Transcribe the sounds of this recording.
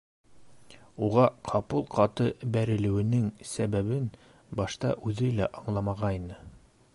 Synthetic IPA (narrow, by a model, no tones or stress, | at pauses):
uʁɑqʰɑpɤlˠqʰɑt̪ɤbæɾɘ̆lɘ̆wɘ̆nɘŋsæβæβɘn | bɑʃt̪ɑ̰ʔʉðɘlæʔɑɴlˠɑmɑʁɑjnɤ